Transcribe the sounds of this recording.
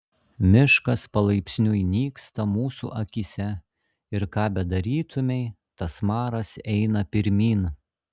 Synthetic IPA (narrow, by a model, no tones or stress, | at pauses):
mʲɪʃkɐspɐlˠɐɪpʲsʲnʲʊjnʲiːkst̪ɐmuːsṵːʔɐkʲisʲɛ | ɪɾkɑːbʲɛd̪ɐɾʲiːt̪ʊmʲɛɪ | t̪ɐsmɑːɾɐsɛɪnɐpʲɪɾʲmʲiːn